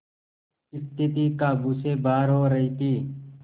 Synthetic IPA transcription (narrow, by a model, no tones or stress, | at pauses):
ɪst̪ɪt̪iːkaːbuːseːbaːɾɦoːɾəɦiːt̪ʰiː